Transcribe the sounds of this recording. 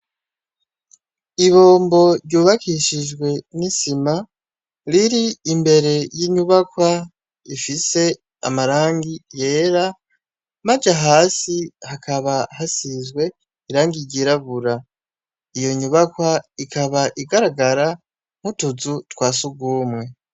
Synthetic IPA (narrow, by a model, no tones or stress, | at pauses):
iβo̞ːmbo̞ɾɟuːβakʰiʃiʒɡwe̞nisima | ɾiɾiːmbe̞ɾe̞jiːɲuβakwa | ifise̞ | a̰maɾaːŋɡije̞ːɾa | mad͡ʒaɦaːsihakʰaβahasizɡwe̞ | iɾaːŋɡiɾɟiɾaβuɾa | ijo̞ɲuβakwaikʰaβaʔiɡaɾaɡaɾa | m̥utuzutwaːsuɡuːmwe̞